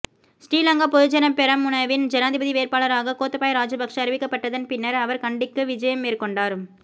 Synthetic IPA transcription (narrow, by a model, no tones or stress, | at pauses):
sʈiːlɐŋɡɐpɔðɯd͡ʒɐnɐpɛɾɐmʊnɐʋɪnd͡ʒɛnaːðɪbɐðiʋeːɾpaːlɐɾaːɣɐkoːt̪ːɐpaːjɾaːd͡ʒɐbɐkʂɐːɾɪʋɪkːɐpːɐʈːɐðɐnpɪnːɐɾɐʋɐɾkɐɳɖɪkːɯʋɪd͡ʒɐjɐmːeːrkɔɳɖaːɾ